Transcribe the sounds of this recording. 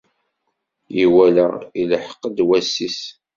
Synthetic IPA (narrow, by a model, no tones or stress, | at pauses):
jiwælæiləħə̥qːəd̪wæsːis